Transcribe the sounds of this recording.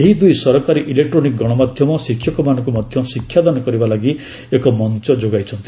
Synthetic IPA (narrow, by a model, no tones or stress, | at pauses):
eɦid̪ujsɔɾɔkaɾiʔilek̚ʈɾonik̚ɡɔɽ̃ɔmad̪ʱjɔmɔsikʰːjɔkɔmanɔ̃ŋkumɔd̪ʱjɔmɔsikʰːjad̪ɔnɔkɔɾibalaɡi | ekɔmɔnt͡ʃɔd͡ʒoɡajt͡ʃʰɔnt̪i